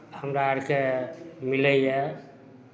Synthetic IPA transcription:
həmɾaaɾkemilɛjɛ

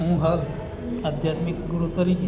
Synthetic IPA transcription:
ũːɦɐl | ad̪ʱjaːt̪mɪkɡuɾut̪əɾi

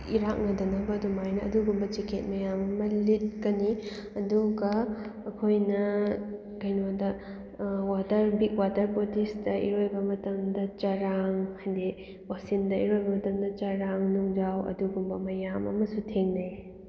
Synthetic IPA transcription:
iɾak̚nɐdɐnɐbɐdumajnɐ̰ːduɡumbɐt͡ʃikʰet̚mɐjamɐmɐlit̚kɐniɐduɡɐːkʰojnɐ | kɐjnodɐ | watɐɾbik̚watɐɾpotisdɐʔḭɾojbɐmɐtɐmdɐt͡ʃɐɾaŋhajde | wasindɐiɾojbɐmɐtɐmdɐt͡ʃɐɾaŋnuŋd͡ʒawɐ̰duɡumbɐmɐjamɐ̰mɐsutʰeŋnɐj

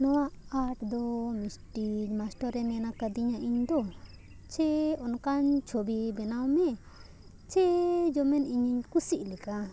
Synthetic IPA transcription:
nɔw̃aʔaʈd̪ɔmisʈid͡ʒmasʈɔɾɛmɛnakad̪iɲaʔiɲd̪ɔ | t͡ʃɛɔnkaɲt͡ʃʰobibɛnawmɛ | t͡ʃɛd͡ʒɔmɛniɲiɲkusiʔlɛka

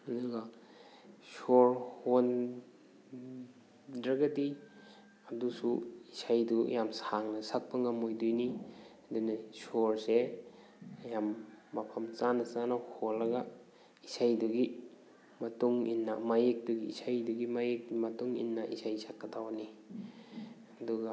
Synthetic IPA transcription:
ɐduɡa | soɾhon | dɾɐɡɐdi | ɐdusuisajduɐ̰jamsaŋnɐsak̚pɐŋamojdujniɐdunɐsoɾse | ɐjamːɐpʰɐmt͡ʃanɐsanaholːɐɡɐ | isajduɡi | mɐtuŋḭnːɐmajek̚duɡḭːsajduɡimajek̚imɐtuŋḭnːɐʔisajsakːɐtʰawani | ɐduɡa

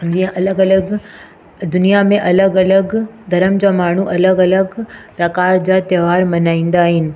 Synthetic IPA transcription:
d͡ʑĩɦə̃ʔɐləɡɐləɡ | d̪ʊnijamẽʔɐləɡɐləɡd̪ʱɐɾəmd͡ʑaːmaːɳ̤uʔɐləɡɐləɡpɾɐkaːɾd͡ʑaːt̪eːʋaːɾmɐnaːĩnd̪aːɦɪnɪ̆

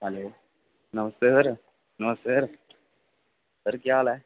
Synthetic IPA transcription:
ɦɐloː | nɐmɐst̪eɾ | nɐmɐst̪eːɾ | ɐɾɯkɪjaːlɛ

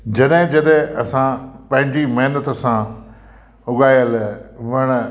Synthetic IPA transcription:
d͡ʑɐɗɦɪ̃d͡ʑɐɗɦɪ̃ɐsãpɐ̃ɦɪ̃ɲd͡ʑimɐːnət̪sã | ʊɠaːijəlʋɐɽ̃

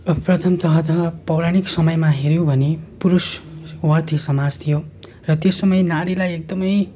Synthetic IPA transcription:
prʌt̪ʰʌmt̪ʌɦʌt̪ʌɦʌpʌwɾaɽ̃iksʌmʌjmaɦeɾjõbʱʌnepuɾuswʌrt̪ʰisʌmad͡zt̪ʰijo | rʌt̪esʌmʌjnaɾilajek̚d̪ʌmʌj

